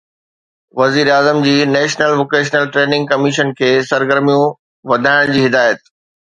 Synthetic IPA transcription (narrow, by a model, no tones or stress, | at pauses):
ʋɐziːɾeaːzəmd͡ʑiːnɛːʃnəlʋoːkeːʃ̬nəlʈɾeːnɪ̃ŋɡ̚kɐmɪʃənkʰeːsɐɾɡəɾmijũ | ʋɐd̪ʱaːɪɽ̃d͡ʑiːɦɪd̪aːjət̪̚